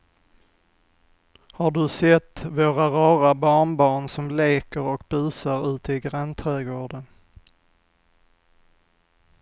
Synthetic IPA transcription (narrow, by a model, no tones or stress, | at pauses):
haɖɵsɛt̪ːvoːɾaɾɑːɾabɑːɳbɑːɳsɔmleːkəɾɔk̚bʉ̟ːsaɾʉ̟ːt̪ʰɪɡɾant̪ʰɾɛːɡoːɖən